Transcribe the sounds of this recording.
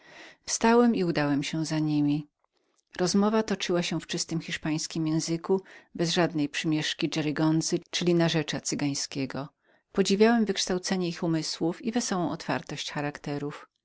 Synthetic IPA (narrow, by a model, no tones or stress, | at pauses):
fst̪awɛmiud̪awɛmɕɛzaɲimʲi | ɾɔzmɔvat̪ɔt͡ʂɘwaɕɛft͡ʂɘst̪ɘmxʲiʂpaj̃skʲimjɛ̃w̃zɘkubɛzʐad̪nɛjpʂɘmʲjɛʂkʲid͡ʐɛɾɘɡɔnt̪zɘt͡ʂɘlʲinaʐɛt͡ʂat̪sɘɡaj̃skʲeɡɔ | pɔd͡ʑivʲjawɛmvɘkʂt̪awt̪sɛɲɛixumɘswufivɛsɔwɔ̃w̃ʔɔt̪fa̰ɾt̪ɔɕt͡ɕxaɾakt̪ɛɾuf